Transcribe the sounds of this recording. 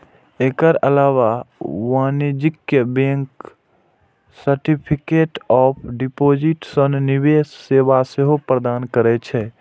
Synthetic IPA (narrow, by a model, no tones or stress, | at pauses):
ekəɾəlaːwawanid͡ʒɪkjəbẽŋk | səɾʈipʰikeːʈɔːpʰɖipod͡ʒiʈsənniʋeːsːeːbaseɦopɾəd̪aːnkəɾɛt͡ʃʰɛ